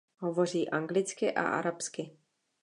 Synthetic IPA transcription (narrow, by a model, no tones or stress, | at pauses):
ɦovo̞r̝iːʔaŋɡlɪt͡skɪʔa̰ʔa̰ɾapskɪ